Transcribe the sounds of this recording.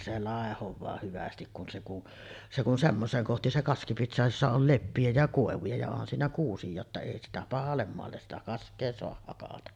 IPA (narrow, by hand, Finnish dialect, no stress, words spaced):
se lɑˑehoʋˑɑː hyʋæstik kun se kun se kun semːoseːŋ kohti se kɑski piti soɑhɑj josːɑ ol lepːij̆æ jɑ koˑeʋujɑ jɑ onhɑn siːnæ kuːsijˑɑː tːɑ eˑi sitæ pɑhɑlːem moɑlːes sitæ kɑskˑeː soɑh hɑkɑtɑ